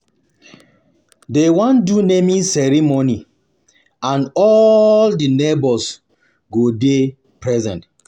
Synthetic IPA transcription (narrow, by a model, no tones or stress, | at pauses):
dewɔ̃ndunemĩsɛɾimoni | ãnɔldinebɔls | ɡode | pɹɛzɛ̰̃nt